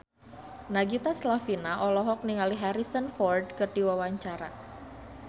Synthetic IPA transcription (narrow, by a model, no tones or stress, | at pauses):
naɡit̪aslafinaʔɔlɔɦɔk̚niŋaliɦaɾisənfɔrdkɨrd̥iwawaɲt͡ʃaɾa̰